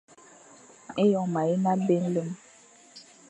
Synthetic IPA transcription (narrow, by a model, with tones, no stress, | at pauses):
e˦jɔ˨ma˨i˦na˦be˦n˦lə˦m